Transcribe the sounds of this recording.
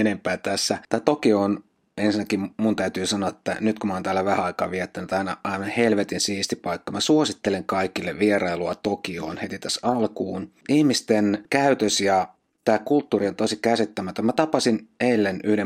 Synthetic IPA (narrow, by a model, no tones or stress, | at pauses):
enempæːt̪æsːæt̪æːt̪okion | ensinːækimunt̪æyt̪yːsɑnoɑet̪ːæ̰nyt̪kumɑoːnt̪æːlːæʋæhæɑikɑ̰ːʋʋiɛt̪ːænyt̪ɑinɑ̰ʔɑiʋɑnhelʋet̪insiːst̪ipɑikːɑmæsuosit̪ːeleŋkɑikilːeʋieɾɑiluɑt̪okio̰ːnhet̪it̪æsɑlkuːn | ihmist̪enkæyt̪øsjɑ | t̪æːkult̪ːuːriont̪osikæsit̪ːæmæt̪ømmæt̪ɑpɑsinelːenyhde